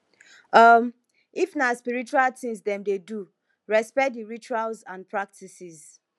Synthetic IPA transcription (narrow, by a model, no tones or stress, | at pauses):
ʌm | ifnaspiɹit͡ʃualtĩŋzdɛ̃mdedu | ɹɛspɛk̚diɹit͡ʃualzãnpʰɹak̚tʰisiz